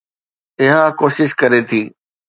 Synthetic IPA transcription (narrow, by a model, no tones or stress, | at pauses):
ɪɦakoːʃɪʃkɐɾet̪ʰiː